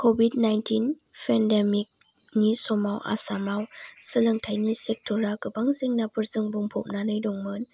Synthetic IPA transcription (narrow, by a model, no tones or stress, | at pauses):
kʰobidnajntʰin | pʰɛndemik̚ | nisɔmawʔa̰samawsɯlɯŋtʰajnisek̚tʰuɾaɡɯbaŋzeŋnapʰɯɾzɯŋbuŋpʰɔp̚nanɯjdɔŋmɯn